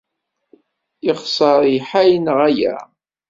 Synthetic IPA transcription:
iʁsˤɑɾˤjħæjnəʁæjæ̰

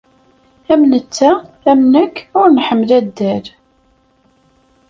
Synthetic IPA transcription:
æmnət͡sːæ | æmnəkːʊɾnħəmːəlæd̪ːæl

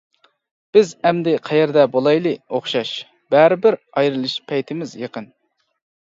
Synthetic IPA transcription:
b̥ɪzɛmd̪ɪqʰæjɛɾd̪ɛbolˠɑjlˠɨoχʃɑʃ | b̥æɾɪbɪɾ | ɑjɾɨlˠɨʃpʰɛjt̪ʰɪmɪzjəqən

